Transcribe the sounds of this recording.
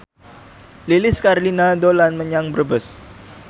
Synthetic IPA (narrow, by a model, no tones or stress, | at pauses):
lilɪskaɾlinadolanməɲaŋbrəbəs